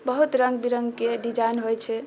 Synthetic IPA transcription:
bəɦut̪ɾəŋɡbiɾəŋɡkeɖid͡ʒajnɦojt͡ʃʰɛ

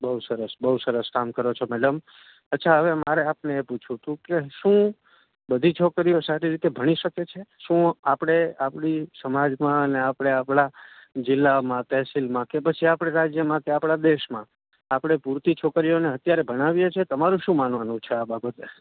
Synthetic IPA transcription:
bəɦusəɾəsbəɦusəɾəskamkəɾot͡ʃʰomɛɖəm | ət̪ːʃʰaɦəʋemaɾeapneːput͡ʃʰũt̪ũkeʃũ | bəd̪ʱit͡ʃʰokɾijosaɾiɾit̪ebʱəɽ̃iʃəket͡ʃʰeʃũapɽ̃eapɽisəmad͡ʒmãəneapɽ̃eapɽ̃ad͡ʒɪlːamãt̪ɛɦsilmãkepət͡ʃʰiapɽ̃eɾad͡ʒjəmãkeapɽ̃ad̪eʃmã | apɽ̃epuɾt̪it͡ʃʰokɾijoneət̪jaɾebʱəɽ̃aʋjet͡ʃʰet̪əmaɾũʃũmananũt͡ʃʰeababət̪e

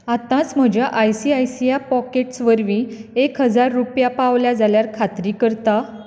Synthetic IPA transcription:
at̪ãt͡sm̤əd͡ʑjaʔajsiajsijapɔkeʈsʋəɾʋĩekɦəd͡zaɾːupjapaʋljad͡zaljaɾkʰat̪ɾiːkəɾt̪a

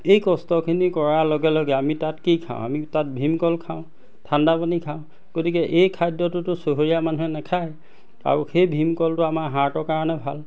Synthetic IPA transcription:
ejkɔstɔkʰinikɔɹaloɡɛloɡɛamitatkikʰã̰ʊ̰̃a̰mitat̚bʱimkɔlkʰaʊ̃ | tʰandapanikʰaʊ̃ | ɡ̥otikɛʔejkʰajdɔtʊtʊsoɦoɹijamanuɦɛnɛkʰaj | a̰ɹuxejbʱimkɔltʊamaɹɦaɹtɔɹkaɹɔnɛbʱal

